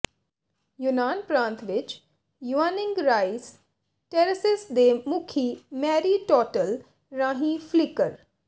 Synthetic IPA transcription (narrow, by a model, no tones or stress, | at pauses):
jʊnaːnpɾãːnt̪ʋɪt͡ʃ | juaːnɪ̃ŋɡɾaːis | ʈɛːɾəsɪsd̪eːmʊkʰiːmɛːɾiːʈɔːʈəl | ɾãːɦĩːpʰlɪkəɾ